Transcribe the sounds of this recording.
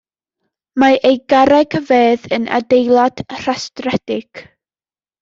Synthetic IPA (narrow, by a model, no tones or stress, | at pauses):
maʔejɡaɾaɡʰəveːðənʔa̰dejlˠad̥r̥astrɛd̥ɪɡ̥